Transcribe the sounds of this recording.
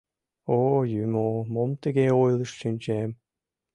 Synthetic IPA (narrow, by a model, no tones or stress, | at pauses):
ojymomomt̪ə̆ɡeojlˠəʃɕynʲt͡ɕem